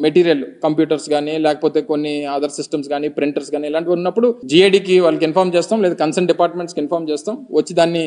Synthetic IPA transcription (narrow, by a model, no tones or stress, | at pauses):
meʈiːɾijɐlukɐmpjuːʈɐɾsɡaːnilɛːkɐpoːt̪e̞ːkonːiaːd̪ʱɐɾsisʈɐmsɡaːniːpɾiɳʈɐɾsɡaːniɛlaːɳʈiʋɐːɾunːɐpːuɽud͡ʒiːeːɖiːkiʋaːlːɐkinpʰaːɾmt͡ʃɛːst̪aːmlɛːd̪aːkɐnsɐɳɖipaːɾʈmeɳʈskinpʰaːɾmt͡ʃɛːst̪aːmʋɐt͡ʃːid̪aːnːi